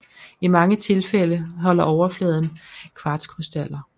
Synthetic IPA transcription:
imɑ̈ŋət͡sʰe̝lfeləɦɒ̽l̰ɐʔɒʊɐflɛːðˠn̩kʰʋɑ̈ːd̥skʰʁysd̥æl̰ɐ

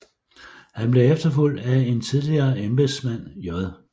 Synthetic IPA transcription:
hænb̥le̝efd̥ɐful̰d̥æe̝nt͡sʰið̞ˠliɐːemb̥esmæn̰jɒðˠ

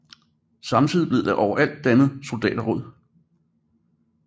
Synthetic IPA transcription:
sɑ̈mt͡sʰið̰ˠib̥le̝ð̰ˠd̥eʔɒʊɐʔæl̰d̥ːænð̩ˠso̝ld̥ɛ̰ːd̥ɐʁɔð̰ˠ

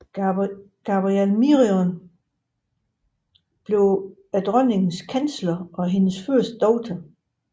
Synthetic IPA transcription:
ɡ̥ɑb̥ʁielmiʁiɔn | b̥le̝ʊ | æd̥ʁœne̝ŋn̩skʰænslɐɒ̽ɦe̝nəsføɐ̰sd̥̚d̥ɒʊt͡sʰæ

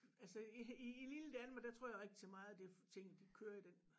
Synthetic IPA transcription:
ælsəiiililəd̥ænmɐd̥æt͡sʰʁo̰jɪʁɛɡ̥̚d̥isʰemɑ̈ːð̩ˠæd̥e̝ft͡sʰe̝ŋ̰̩d̥ikʰøːɐid̥en

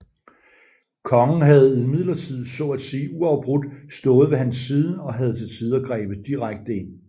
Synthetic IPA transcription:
kʰɒ̽ŋn̩ɦæð̞̩ˠimið̰ˠlɐt͡sʰið̞̰ˠsɔ̽æd̥siːuɑ̈ʊb̥ʁud̥sd̥ɔ̽ːð̞̩ˠʋe̝ɦænsːiːð̞ˠəɒ̽ɦæð̞̩ˠt͡sʰe̝lt͡sʰiːð̞ˠɒɡ̥ʁɛ̰ːb̥ð̩ˠd̥iʁaɡ̥̚d̥əe̝n̰

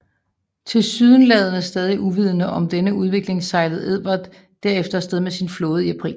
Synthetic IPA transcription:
t͡sʰe̝lsyðˠnlɛð̞ˠɐnəsd̥ɛːð̞ˠiʔuʋið̞ˠnəʔɒ̽md̥enəuð̞ˠʋe̝ɡ̥le̝ŋsɑ̈ɪləð̞̩ˠe̝ðˠb̥ɐd̥ː | æɐ̰efd̥ɐsd̥eð̞ˠmesinfloːð̩ˠiæpʰʁḭːl

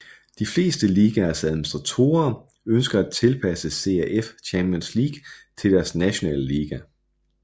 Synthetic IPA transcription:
d̥ifle̝̰ːsd̥əliːɡ̥æɐsæðˠminisd̥ʁɑ̈t͡sʰo̝̰ːɐ | ønsɡ̥ɐæ̥t͡sʰe̝lpʰæsəse̝æʔeft͡ɕʰæmb̥iɔnslḭːɡ̥t͡sʰe̝ld̥æɐsnæɕo̝nɛ̰ːləliːɡ̥æ

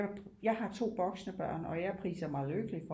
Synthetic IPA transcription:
jɑ̈ɪɦɑ̈t͡sʰo̝̰ːb̥ɒ̽ɡ̥snəb̥ɶɐ̰nɒ̽jæɐpʰʁḭːsɐmɑ̈ɪløɡ̥əlifɒ̽

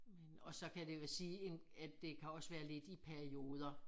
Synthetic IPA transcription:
menɒ̽sɒ̽kʰæd̥e̝ʋesiːen | æd̥ːe̝kʰæɒ̽sʋæːɐle̝d̥ipʰæɐio̝ːð̞ˠɐ

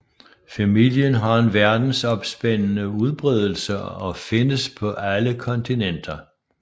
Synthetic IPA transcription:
fæmil̰jənɦɑ̈e̝nʋæɐd̥n̩sɒ̽b̥sb̥en̰nəuð̞ˠb̥ʁɛð̞ˠl̩səɒ̽fe̝nəspʰɒ̽ʔæləkʰɒ̽nt͡sʰinen̰d̥ɐ

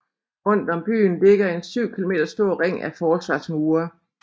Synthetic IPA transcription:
ɔ̽n̰d̥ɒ̽mb̥y̰ːnle̝ɡ̥ɐe̝nsyʊ̰kʰilo̝me̝ːd̥ɐsd̥o̝ɐ̰ʁeŋ̰æfɒːsʋɑ̰̈smuːɐ

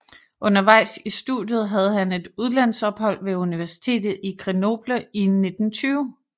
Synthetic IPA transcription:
ʔɔ̽nɐʋɑ̈ɪ̰sisd̥uðˠjð̞̩ˠɦæð̞̩ˠɦæne̝d̥uð̞ˠlæn̰sɒ̽b̥hɒ̽l̰ʋe̝uniʋæɐsi̥t͡sʰe̝̰ːd̥ð̞̩ˠikʰʁeno̝b̥ləine̝d̥n̩t͡sʰyːʊ

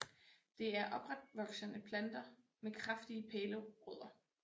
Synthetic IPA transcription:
d̥e̝æɐʔɒ̽b̥ʁad̥ʋɒ̽ɡ̥sənəpʰlænd̥ɐ | mekʰʁafd̥iəpʰeːləʁɔð̰ˠɐ

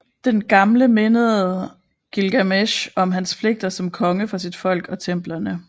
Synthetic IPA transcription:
d̥enɡ̥ɑ̈mləme̝nəð̩ˠ | ɡ̥ilɡ̥æmeɕɒ̽mɦænspʰle̝ɡ̥̚d̥ɐsɒ̽mkʰɒ̽ŋəfɒsid̥fɒ̽l̰ɡ̥ɒ̽t͡sʰem̰b̥lɐnə

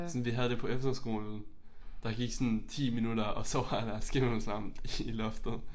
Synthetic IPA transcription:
sɒnʋiɦæð̞ˠd̥e̝pʰɒ̽efd̥ɐsɡ̥o̝̰ːln̩ | d̥ɑ̈ɡ̥iɡ̥sɔ̽nt͡sʰḭːminud̥ɐɒ̽sɒ̽ʋɑ̈dæɐsɡ̥em̩sɑ̈m̰n̩ilɔfd̥ð̩ˠ

